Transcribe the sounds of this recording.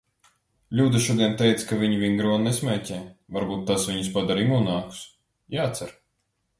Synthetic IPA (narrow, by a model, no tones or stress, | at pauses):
lʲuːd̪aʃuɔd̪iɛnt̪ɛjt̪skavʲiɲivʲiŋɡɾuɔnnɛsmʲɛːcʲɛːvaɾbuːt̪ːasvʲiɲuspad̪aɾimuːnaːku̥s | jaːt̪saɾ